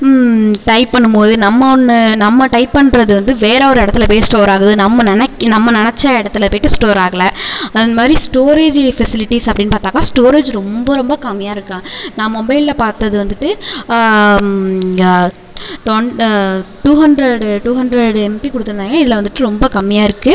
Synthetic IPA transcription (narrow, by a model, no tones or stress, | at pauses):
ʈɐɪpːɐɳːɯmpoːðɯnɐmːɐɔnːɯnɐmːɐʈɐɪpːɐɳːɾɐðɯʋɐnd̪ɯʋeːɾɔɾɪɽɐt̪ːɪlɐpoːsʈoːɾaːɣɯðɯnɐmːɐnɪnɛkːnɐmːɐnɪnɛt͡ʃːɐɪɽɐt̪ːɪlɐpoːjɪʈːɯsʈoːɾaːɣɐɭɐɐðɐnmaːd̪ɾisʈoːɾeːd͡ʒfɛsɪlɪʈːisɐpːɐɽɪnːɯpaːɾt̪aːkaːsʈoːɾeːd͡ʒɾɔmbɐɾɔmbɐkɐmːɪjaːɪɾɯkːãːnãːmɔmbɐɪllɐpaːɾt̪ːɐðɯʋɐnd̪ɯʈːɯ | ʈo | ʈuːɦɐndɾɐɽʈuːɦɐndɾɐɽɛmpikɔɽɯt̪ːɯɾɐnaːŋɡɐɪðɪlɐʋɐnd̪ɯʈːɯɾɔmbɐkɐmːɪjaːɪɾɯkːɯ